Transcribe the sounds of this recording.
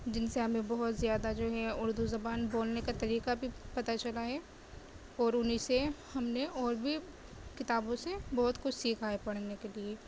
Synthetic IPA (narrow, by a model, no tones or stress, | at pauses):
d͡ʒɪnseɦɐmẽbɐɦʊt̪zjaːd̪ad͡ʒoːɦɛʊɾd̪uzɐbaːnboːlnekat̪ɐɾiːkabʱipɐt̪at͡ʃɐlaɦɛː | ɔːɾʊnisehɐmneɔːɾbʱi | kɪt̪aːbõsebɔɦʊt̪kʊt͡ʃʰsiːkʰaːepɐɽ̤nekelieː